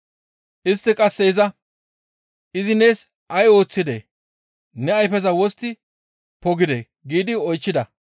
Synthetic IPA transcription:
ʔɪst̪ːɪkʼɐsːɛɪzɐ | ʔɪzɪne̞ːs | ʔɐjo̞ːt͡sːɪd̪ḛː | nɛɐjfɛzɐwɔst̪ːɪ | pɔɡɪd̪ḛː | ɡiːd̪ɪɔjt͡ʃːɪd̪ɐ

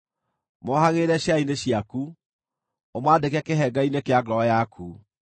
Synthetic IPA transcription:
mɔhaɣeɾɛɕjaineɕiaku | omwadekɛkeɦɛɡainekeaɡɾɔjakʰu

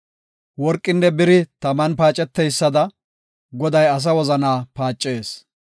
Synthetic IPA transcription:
wɔɾkʼːɪnːɛbɪɾɪt̪ɐmɐnpaːt͡ʃʼːɛt̪ːɛjsːɐd̪ɐ | ɡɔd̪ɐjɐs̬ɐwɔzɐnaːpaːt͡ʃʼːe̞ːs

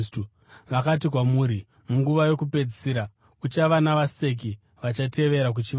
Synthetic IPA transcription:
stu | ʋakat̬ik̬wamuːɾi | muŋɡuʋajo̞kupe̞d͡zisiːɾa | ut͡ʃaʋanaʋase̞k̬i | ʋat͡ʃate̞ʋe̞ɾak̬ut͡ʃiʋ

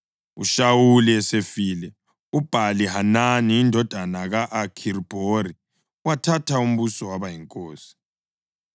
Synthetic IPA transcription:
ṵʃawuliɛsefiːlɛ | ub̥ʱalihananiːndʱɔd̥ʱanaɣaʔːkʰirb̥ʱori | watʰatʰaum̩βusɔwaβajiŋkʼoːsi̥

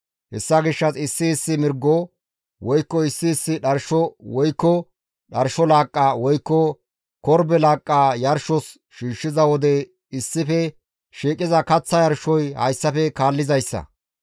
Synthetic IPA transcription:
hɛsːɐɡɪʃːɐsɪsːɪːsːɪmɪɾɡːɔ | wɔjkːɔɪsːɪːsːɪɗɐɾʃɔwɔjkːɔ | ɗɐɾʃɔlaːkʼːaːwɔjkːɔ | kɔɾbɛlaːkʼːaːjɐɾʃɔs | ʃiːʃːɪzɐwɔd̪ɛ | ɪsːɪfɛ | ʃiːkʼːɪzɐkɐt͡sːɐjɐɾʃɔjhɐ̰jsːɐfɛkaːlːɪzɐjsːɐ̰

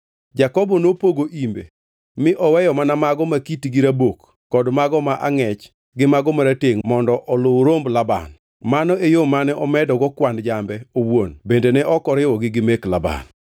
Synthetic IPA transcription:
d͡ʒakɔbɔnopoɡoʔimbḛ | mɪʔɔwɛjɔmanamaɡɔmakitiɡiɾabokː | ɔdmaɡɔmaʔaŋɛt͡ʃ | ɡɪmaɡɔmaɾateŋmɔndɔʔɔlʊwɾomblaba̰n | manɔejomanɛʔɔmɛdɔɡɔkwandd͡ʒambɛowonbendenɛʔɔkɔɾɪwɔɡɪɡɪmɛklaba̰n

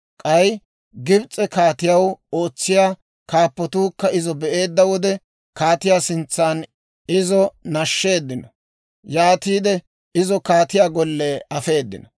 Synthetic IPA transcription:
kʼɐj | ɡɪbt͡sʼːɛkaːt̪ɪjɐwo̞ːt͡sːɪjaː | kaːpːɔt̪uːkːɐɪzɔbɛʔe̞ːd̪ːɐwɔd̪ɛ | kaːt̪ɪjaːsɪnt͡sːaːn | ɪzɔnɐʃːe̞ːd̪ːɪnɔ | jaːt̪iːd̪ɛ | ɪzɔkaːt̪ɪjaːɡɔlːeɐfe̞ːd̪ːɪ̰nɔ

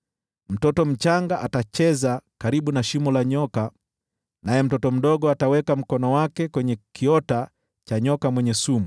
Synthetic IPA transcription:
m̩tɔtɔm̩t͡ʃaŋɡaʔatat͡ʃɛzakaɾiɓunaʃimɔlaɲɔka | najɛm̩tɔtɔm̩ɗɔɠɔatawɛkam̩kɔnɔwakɛkwɛɲɛkʰiɔta | t͡ʃaɲɔkamwɛɲɛsumu

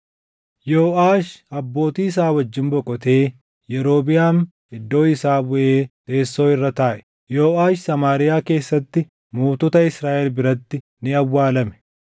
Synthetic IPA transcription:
joːʔaːʃɐbːo̞ːt̪iːɪs̬aːwɐd͡ʒːɪnbɔkʼɔt̪e̞ː | jɛɾo̞ːbɪjaːm | ɪd̪ːo̞ːɪsaːbʊʔe̞ːt̪ʼe̞ːsːo̞ːɪrːɐt̪aːʔɛ̥ | jo̞ːʔaːʃsɐmaːɾɪjaːke̞ːsːɐt̪ːɪ | muːt̪ʊt̪ɐɪsɾaːʔɛlbɪɾɐt̪ːɪ | nɪɐwːaːlɐmɛ̥

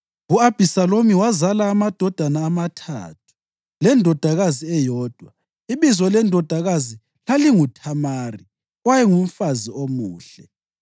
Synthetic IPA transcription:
uab̥ʱisalomiwazalaːmad̥ʱɔd̥ʱanaːmatʰa̰ːtʰu̥ | lɛndʱɔd̥ʱaɣaziɛjɔːd̥ʱwa̰ | iβizɔlɛndʱɔd̥ʱaɣazi | laliŋutʰamaːri | wajɛŋum̩faziomuːɬɛ

